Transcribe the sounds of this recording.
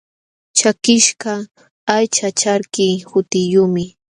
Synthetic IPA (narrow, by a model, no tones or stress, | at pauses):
t͡ʃakɪʃka | ajt͡ʃat͡ʃaɾkɪjhʊt̪ɪjʊmɪ